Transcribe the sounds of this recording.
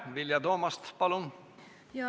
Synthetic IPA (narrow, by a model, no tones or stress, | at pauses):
ʋiljɑt̪oːmɑst̪pɑlun